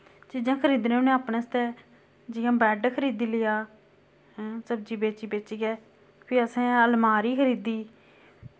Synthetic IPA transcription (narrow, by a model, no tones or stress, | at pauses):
t͡ʃiːzãːkʰəɾiːd̪nẽːʊnẽaːpnẽːst̪ɛː | d͡ʒɪjãːbɛːɖkʰəɾiːd̪iːlɪjaː | səbd͡ʒiːbeːt͡ʃiːbeːt͡ʃiːɡɛː | pʰɪɾəsẽːəlmaːɾiːkʰəɾiːd̪iː